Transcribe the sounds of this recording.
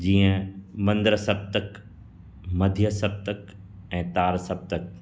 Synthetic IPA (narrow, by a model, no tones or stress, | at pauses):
d͡ʑiːə̃mɐ̃nd̪ɾəsɐb̚t̪ək | mɐd̪ʱjəsɐb̚t̪ək | ɛ̃ːt̪aːɾsɐb̚t̪ək